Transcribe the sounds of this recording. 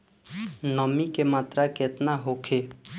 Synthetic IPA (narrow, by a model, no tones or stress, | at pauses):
nəmikemaːt̪ɾaket̪naɦokʰe